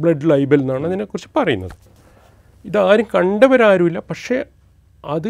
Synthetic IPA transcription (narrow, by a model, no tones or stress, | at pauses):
bɭɐɖɭɐjbɐlnːaːɳɨɐðinekːurit͡ɕːɨ̥pɐrɐjunːɐ̰ðɨ | iðaːɾuŋkɐɳɖɐʋɐɾaːɾumilːɐpɐkʂe̞ | ɐðɨ